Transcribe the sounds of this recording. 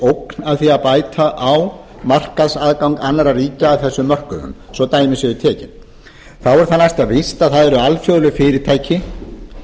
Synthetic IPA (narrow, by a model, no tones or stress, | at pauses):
owknaðθiːaðpaːjt̪ʰaʔaw | mar̥kaðsaðkawŋkanːaɾariːcaːvθɛsːʏmːœr̥kʏðʏ̰msɔwt̪aːjmɪsɛðʏt̪ʰɛːcɪn | θawɛɾ̥θanːajst̪avɪst̪aðθaðɛɾʏalfjœðlʏfɪːɾɪɾt̪ʰaːjcɪ